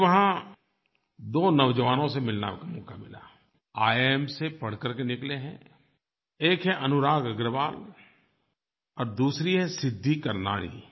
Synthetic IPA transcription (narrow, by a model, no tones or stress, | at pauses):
ʋɐɦã | d̪oːnɐʋd͡ʒəʋaːnõsemɪlna̰kamɔːkamɪla̰ː | aːeːmsepɐɽ̤kəɾkenɪkleɦɛ̃ | eːkɦɛʔɐnʊɾaːɡɐɡɾəʋaːl | ɔːɾd̪uːsɾiɦɛsɪd̪ʱːikɐɾna̰ːɽ̃ḭ